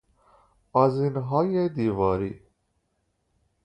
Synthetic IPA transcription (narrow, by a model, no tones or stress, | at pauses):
azinɦɑːjed̪iːvɑːɾi